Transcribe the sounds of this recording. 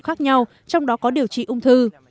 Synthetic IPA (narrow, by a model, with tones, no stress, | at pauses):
xaː˦˥k̚ɲa˧w | t͡ɕɔ˧wŋ͡mɗɔ˨˦kɔ˨˦ɗi˨˩əwt͡ɕḭ˧˨ʔʊ˧wŋ͡mt̪ʰɨ˧